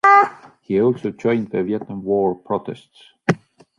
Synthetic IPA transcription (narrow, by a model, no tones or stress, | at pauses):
hiɔlˠsod͡ʒɔ̃ɪ̃nd̪ðəvjɛtnə̃mwɔɹpʰɹ̥ɔtʰɛ̰sts